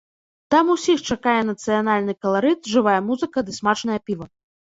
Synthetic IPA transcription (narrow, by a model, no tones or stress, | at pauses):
t̪amusʲixt͡ʂakajɛn̪ɐt̪sɨjanalʲnɨkɐlˠaɾɨt̪ʐɨvajɐmuzɨkɐd̪ɨsmat͡ʂnɐjɐpʲivɐ